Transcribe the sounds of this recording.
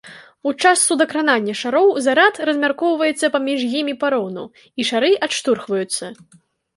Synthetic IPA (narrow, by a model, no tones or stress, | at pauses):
ut͡ʂasːud̪ɐkɾananʲːɐʂaɾɔwzaɾat̪rɐzʲmʲarkɔwvɐjɛt̪sːɐpamʲiʐjimʲipaɾɔnu | iʂaɾɨʔat̪ʂt̪urxvɐjut̪sːɐ